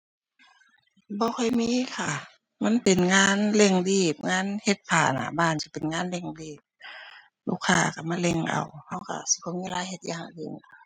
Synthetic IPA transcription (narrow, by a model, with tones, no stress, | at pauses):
bɔː˧˦kʰɔ˧˩˨jmiː˧˥˨kʰa˧˩ | ma˧˥˨npe˨nŋaː˧˥˨nle˧˩ŋdiː˧˩p̚ŋaː˧˥˨nhe˧˦t̪̚pʰaː˨˩na̰˧˩˨baː˧˨nsi˧˩pe˨nŋaː˧˥˨nle˧˩˨ŋdiː˧˩p̚ | lu˧˨kʰːaː˧˩˨ka˧˩ma˧˥˨le˧˩ŋʔa̰˨˩wha˧˥˩wka̰˧˩si˧˦kʰɔ˧˦miː˧˨laː˧˦jhe˧t̪̚ja̰˧ha˧˩ḛ˧˩˨n˨a˧˩